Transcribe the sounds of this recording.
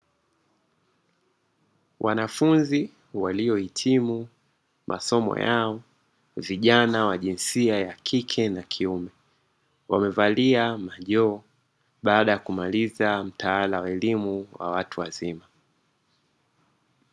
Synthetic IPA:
wʔa̰nafunzi | waliɔhitʰimu | mʔa̰sɔmɔ̰jaɔ | viʄanawaʄinsiajakʰikʰɛnakʰiumɛ | wamɛvaliamaʄɔː | ɓaːɗajakumalizam̩taalawaɛlimuwa̰watuwazima

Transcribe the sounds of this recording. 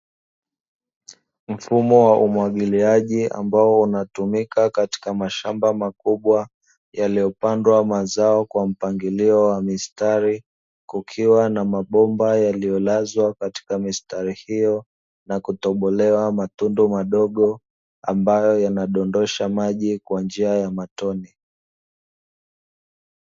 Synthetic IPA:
m̩fumɔwaʔumwaɠiliaʄia̰mbaɔunatumikakati̥kamaʃambamakuɓwa | jalijɔpandwamazaɔkwam̩paŋɡiliɔwamistaɾi | kukʰiwanamaɓɔmbajalijɔlazwakati̥kamistaɾihijɔ | nakutɔɓɔlɛwamatundumaɗɔɠɔ | a̰mbajɔjanaɗɔndɔʃamaʄikwand͡ʒiajamatɔni

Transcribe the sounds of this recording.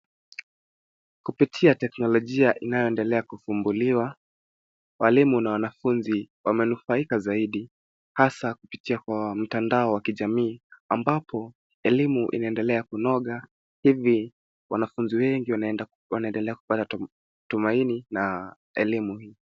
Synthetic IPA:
kupitʰiatɛknɔlɔʄiaʔinajɔɛndɛlɛakufumbuliwa | walimunawanafunziwamɛnufaikazaiɗi | hasakupitʰiakwam̩tandaɔwakiʄamiːambapʰɔ | ɛlimuʔḭnaɛndɛlɛakunɔɠa | hivi | wanafunziwɛŋɡia | wanaɛndɛlɛaku̥pata | tumainina | ɛlimuhiː

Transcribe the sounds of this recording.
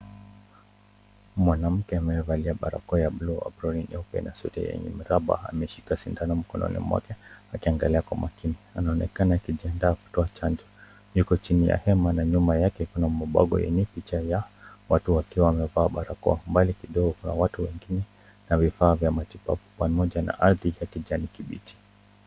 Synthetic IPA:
mwanam̩kɛamɛvaliaɓaɾa̰kɔjablua̰bɾɔninɔpɛ̰nasṵɾɛ̰jɛ̰ɲɛ̰miɾaɓa̰a̰mɛʃi̥kasindanam̩kɔnɔ̰nḭmwa̰kɛakiaŋɡaliakwamakinianaɔnɛ̰kanaakiʄiandaːku̥tɔat͡ʃand͡ʒɔ | jukɔt͡ʃinija̰hɛmanaɲumajakɛkunamɔɓa̰ɠɔ̰jɛ̰ɲɛpit͡ʃajawatuwakiwaːmɛvaːɓaɾakɔ̰mbalikiɗɔɡɔkuna̰watuwɛŋɡinɛ | navifaːvjamatipa̰vɔpamɔʄana̰ʔaɾðijakiʄanikiɓḭti̥

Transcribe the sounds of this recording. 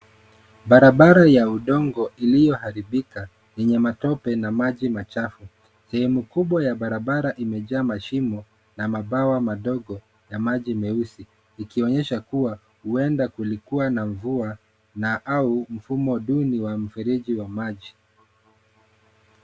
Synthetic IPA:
ɓaɾaɓaɾajauɗɔŋɡɔilijɔhaɾiɓika | jɛɲɛmatɔpɛnamaʄimat͡ʃafu | sɛhɛmukuɓwajaɓaɾaɓaɾaʔimɛʄaːmaʃimɔ | namaɓawamaɗɔɡɔ | jamaʄimɛusiː | kiɔɲɛʃakuwa | huɛndakulikuwanaɱvua | naʔaum̩fumɔɗuniwam̩fiɾiʄiwamaʄi

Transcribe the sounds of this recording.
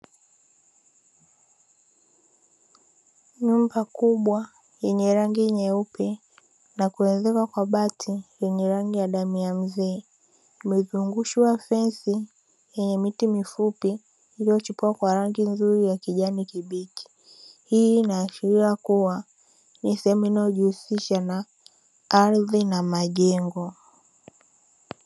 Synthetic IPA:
ɲumbakuɓwa | jɛɲɛɾaŋɡiɲɛupɛ | nakuɛnzɛkakwaɓatʰijɛɲɛɾaŋɡijaɗamiam̩zɛː | imɛzuŋɡuʃiwafɛnsi | jɛɲɛmitimifupi | iliɔt͡ʃupuakwaɾaŋɡinzuɾijakiʄanikiɓiki̥ | hiːnaːʃiɾiakuwa | nisɛhɛmuinajɔʄuhusiʃana | aɾðinamaʄɛŋɡɔ

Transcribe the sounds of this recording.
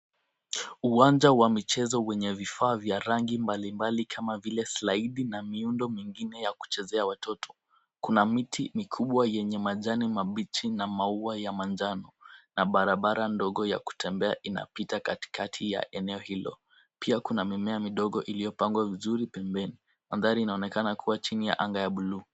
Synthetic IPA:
uwand͡ʒawamit͡ʃɛzɔwɛɲɛvifaːvjaɾaŋɡimbalimbalikʰamavilɛslaiɗinamiundɔmiŋɡinɛjaku̥t͡ʃɛzɛawatʰɔtʰɔ̥ | kunamitʰimikʰuɓwajɛɲɛmaʄanimaɓit͡ʃinamauajamand͡ʒanɔnaɓaɾaɓaɾandɔɠɔja̰ku̥tʰɛmbɛa̰ʔina̰pitakati̥katʰija̰ʔɛnɛɔhilɔ̰ | pʰiakunamimɛamiɗɔɠɔʔilijɔpaŋɡwavizuɾipɛmbɛni | maðaɾiːnaɔnɛkanakʰuwat͡ʃinija̰ʔaŋɡajaɓuluː

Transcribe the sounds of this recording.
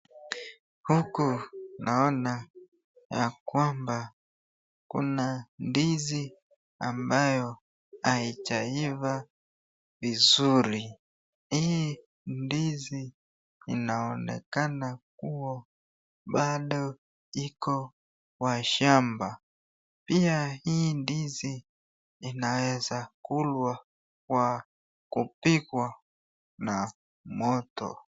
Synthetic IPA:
hukunʔaɔna | jakwamba | kṵnandizi | a̰mbajɔ | ait͡ʃaiva | vizuɾi | ii | ndizi | inaɔnɛ̰kanak̚uwa | ɓaɗɔ | ikɔ | waʃamba | piahindiziː | nawɛzakulwa | kwa | kupikwa | na | mɔtɔ̰

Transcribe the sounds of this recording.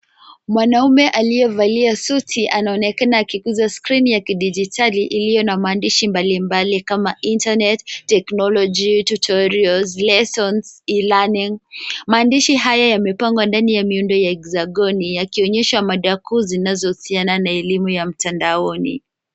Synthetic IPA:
mwanaumɛʔalijɛvaliasutʰiʔanaɔnɛkanaːkikuzaskɾinijakiɗid͡ʒitʰaliʔilijɔnamaːndiʃimbalimbalikamaintanɛtːɛknɔlɔd͡ʒitutʰɔɾiɔlzlɛsɔnsilaniŋmaːndiʃiɦajajamɛpaŋɡwandanijamiundɔjaɛkzaɠɔnijakiɔɲɛʃamaɗakuːzinazɔhusiananaɛlimujam̩tandaɔnḭ

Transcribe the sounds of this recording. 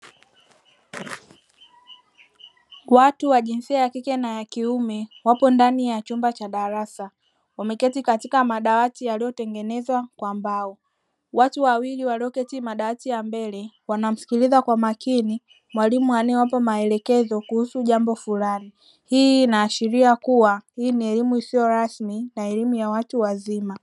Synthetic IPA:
watuwaʄinsiajakikɛnajakiumɛwapɔndanijat͡ʃumbat͡ʃaɗaɾasa | wamɛkɛtikatikamaɗawatijalijɔtɛŋɡɛnɛzwakwambaɔ | watuwawiliwaliɔkɛtimaɗawatijambɛlɛ | wanam̩si̥kilizakwamakini | mwalimuanɛwap̬ɔmaɛlɛkɛzɔkuhusuʄambɔfulani | hiːnaːʃiɾiakuwahiːniɛlimuisijɔɾasminaɛlimujawatuwazima

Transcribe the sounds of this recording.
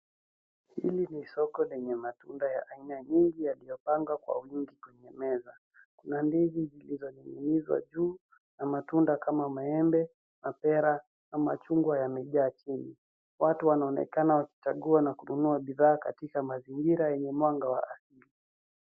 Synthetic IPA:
hilinisɔkɔlɛɲɛmatundajaʔainaɲiŋɡijalijɔpaŋɡwakwa̰wiŋɡikwɛɲɛmɛza | kunandizizilizɔɲiŋɡunizwa̰ʄuː | namatundakamamaɛmbɛ | mapɛɾa | ama̰t͡ʃuŋɡwajamɛʄaːt͡ʃini | watuwanaɔnɛ̰kanawaki̥t͡ʃaɠuanakununuaɓiðaːkatikamaziŋɡiɾajɛɲɛmwaŋɡawaasili

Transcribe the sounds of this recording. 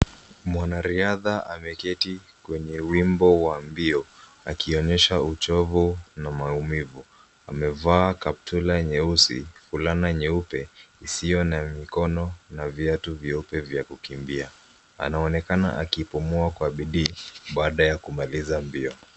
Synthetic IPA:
mwanaɾiaðaʔamɛkɛti | kwɛɲɛwimbɔwambiɔ | a̰kiɔɲɛʃaut͡ʃɔvunamaumivu | amɛvaːkap̚tʰulaɲɛusḭfulanaɲɛupɛisijɔnamikɔnɔnavjatuviupɛvjakukimbia | a̰naɔnɛkana̰ʔakipumuakwaɓiɗiːɓaːɗajakumalizambiɔ

